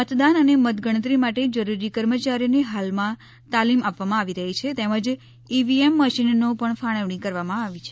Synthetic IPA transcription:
ət̪d̪anənemət̪ɡəɳ̃ət̪̬ɾimaʈed͡ʒəɾuɾikəɾmət͡ʃaɾineɦalmã | t̪alimapʋamãaʋiɾəɦit͡ʃʰet̪eməd͡ʒ | iʋiemːəʃinːopəɳfʰaɽ̃əʋɳikəɾʋamãaʋit͡ʃʰe̥

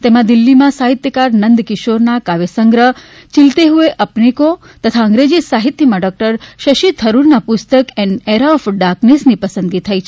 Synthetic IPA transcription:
t̪emãd̪ilːimãsaɦit̪jəkaɾnənd̪kɪʃoɾnakaʋesəŋɡɾə | t͡ʃilt̪eɦueʔəpniko | t̪ət̪ʰaə̃ŋɡɾed͡ʒisaɦit̪jəmãɖɔk̚ʈəɾʃəʃit̪ʰəɾuɾnapust̪əkɛneɾafɖaknesnipəsə̃nd̪ɡit̪ʰəjt͡ʃʰe

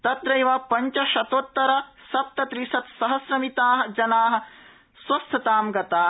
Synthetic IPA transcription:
t̪ɐt̪ɾɐjʋaːpɐɲt͡ʃɐʃɐt̪oːt̪ːɐɾɐsɐp̚t̪ɐt̪ɾisɐt̪sɐɦɐsɾɐmit̪aːɦɐ̆d͡ʒɐnaːɦɐ̆ | swɐst̪ʰɐt̪aːmɡɐt̪aː

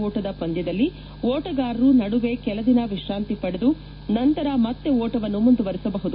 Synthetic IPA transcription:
oːʈɐd̪ɐpɐnd̪jɐd̪ɐlːi | oːʈɐɡaːɾɾunɐɽuʋe̞kɛlɐd̪inɐʋiʂɾaːnt̪ipɐɽed̪u | nɐnt̪ɐɾɐmɐt̪ːeoːʈɐʋɐnːumund̪uʋɐɾisɐbɐɦud̪u

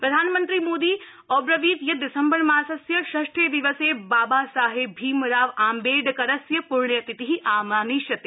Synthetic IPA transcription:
pɾɐd̪ʱaːnmɐ̃nt̪ɾimoːd̪iː | ɔːbɾɐʋiːt̪jɐd̪ɪsɐmbɐɾmaːsɐsjɐʃɐʃʈʰeːd̪iʋɐseːbaːbaːsaːɦebʱiːmɾaːʋaːmbeːɖkɐɾɐsjɐpuɾɳjɐt̪it̪iɦiʔaːmaːniʃjɐt̪e

